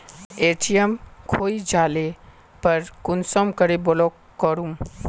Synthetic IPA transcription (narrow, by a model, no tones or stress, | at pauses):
eʈijemkʰoid͡ʒale | pəɾkʊnsɔmkəɾebolo | kəɾum